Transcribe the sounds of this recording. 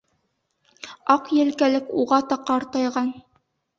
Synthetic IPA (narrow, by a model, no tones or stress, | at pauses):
ɑqjɘ̆lkælɘkuʁɑt̪ɑqːɑɾt̪ɑjʁɑn